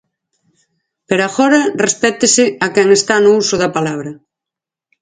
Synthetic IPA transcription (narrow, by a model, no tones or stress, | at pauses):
peɾaxɔɾɐrespɛt̪ɪsɪɐkɛŋest̪anʊusʊðɐpalaβɾɐ